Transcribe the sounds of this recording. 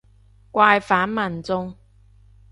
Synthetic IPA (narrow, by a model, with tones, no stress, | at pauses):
kwa˧jfa˨˥nma˨˩nt͡sʊ˥ŋ